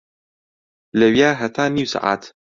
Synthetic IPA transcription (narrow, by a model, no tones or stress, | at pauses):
lɐwjaːɦɐt̪ʰaːniːwsa̰ʔa̰ːt̪